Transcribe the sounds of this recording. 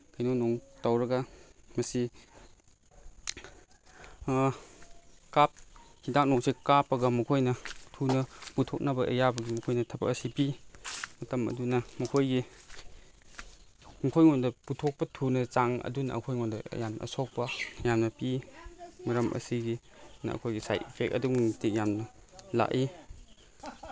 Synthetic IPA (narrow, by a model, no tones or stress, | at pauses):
kʰajnonoŋtawɾɐɡɐmɐsi | kap̚hidak̚nɔksikapːɐɡɐmɐkʰojnɐtʰunɐputʰok̚nɐbɐʔḛjabɐɡimɐkʰojnɐtʰɐpɐ̰kɐsipimɐtɐmɐ̰dunɐmɐkʰojɡi | mɐkʰojŋondɐputʰok̚pɐtʰunɐt͡ʃaŋɐ̰dunɐ̰ɐ̰kʰojŋondɐ̰jamnɐ̰ɐ̰sok̚pɐjamnɐpi | mɐɾɐmʔɐ̰siɡi | nɐ̰ɐ̰kʰojɡisa̰jtipʰek̚ɐ̰duitik̚jamnɐ | la̰ʔi